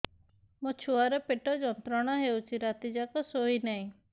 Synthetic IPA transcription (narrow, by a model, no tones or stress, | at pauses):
mɔt͡ʃʰuaɾɔpɪʈɔd͡ʒɔnt̪ɾɔɽ̃aɦeut͡ʃʰiɾat̪id͡ʒakɔsoinaĩ